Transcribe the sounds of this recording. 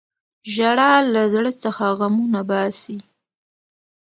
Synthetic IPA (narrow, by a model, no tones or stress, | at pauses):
ʒaɽɑlazɽət͡səxaɣamunabɑsi